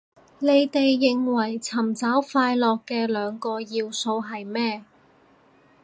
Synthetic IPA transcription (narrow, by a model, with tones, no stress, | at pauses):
le˨˧jt̪e˨jːɪ˨ŋwɐ˨˩jt͡sʰɐ˨˩mt͡saː˨˥wfaː˧jlɔː˨kːɛː˧lœː˨˧ŋkɔː˧jiː˧wso˧wɦɐ˨jmɛː˥